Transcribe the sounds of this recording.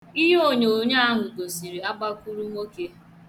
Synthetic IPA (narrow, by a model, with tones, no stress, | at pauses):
i˦ɦo˦˨ɲe˨o˨ɲa˦a˦ŋʊ˨ɡo˨si˨ɾi˨a˦ɡ͡ba˦ku˦ɾu˦mo˦ke˦